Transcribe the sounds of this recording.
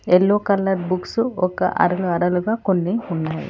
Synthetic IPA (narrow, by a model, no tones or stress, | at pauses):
elːoːkɐlːɐɾbuksuɔkɐ̰ʔɐ̰ɾɐluɐɾɐluɡaːkonːiunːaːjḭ